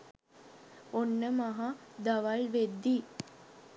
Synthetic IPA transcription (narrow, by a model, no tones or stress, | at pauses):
onːəmaɦad̪aʋalʋed̪ːi